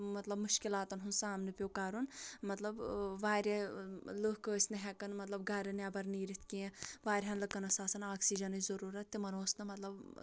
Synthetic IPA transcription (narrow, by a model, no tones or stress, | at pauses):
mɐt̪lɐbmuʃkilaːt̪ɐnɦunsaːmnɨpʲjokaːɾunmɐt̪lɐbʋaːɾʲɐlɨɦkəːsʲnɨɦɛkɐnmɐt̪lɐbɡaːɾɐnɛbɐɾniːɾit̪ʰkiẽʋaːɾʲɦɐnlɨkːɐnɐsaːsɐnaːksid͡ʒɐnɨzɐɾuːɾɐt̪ːimɐnoːsnɨmɐt̪lɐb